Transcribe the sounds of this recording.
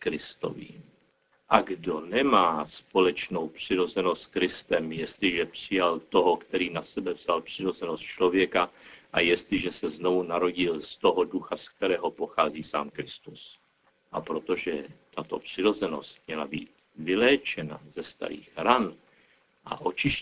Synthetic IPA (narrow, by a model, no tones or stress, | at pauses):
kɾɪst̪o̰vḭː | ʔaɡdonɛmaːspo̞lɛt͡ʃno̞wpr̥ɪɾo̞zɛnost̪skɾɪst̪ɛmjɛst̪lɪʒɛpr̝̥ɪjalt̪o̞ɦo̞kt̪ɛɾiːnasɛbɛvz̥alpr̥ɪɾo̞zɛnost̪̚t͡ʃlo̞vjɛkaʔajɛst̪lɪʒɛsɛzno̞vunaɾo̞ɟɪlst̪o̞ɦoduxask̚t̪ɛɾɛːɦo̞po̞xaːziːsa̰ːmkɾɪst̪us | ʔapɾo̞t̪o̞ʒɛt̪at̪o̞̰pr̥ɪɾo̞zɛno̞̰st̪mɲɛlabiːt̪̚ | vɪlɛːt͡ʃɛna̰zɛst̪a̰ɾḭːxɾan | ʔa̰ʔo̞t͡ʃɪʃ